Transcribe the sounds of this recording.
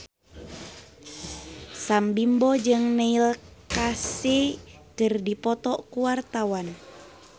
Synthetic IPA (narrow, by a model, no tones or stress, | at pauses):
sambimbɔd͡ʒɨŋnɛilkaset̪ɨrdipɔt̪ɔkuwart̪awan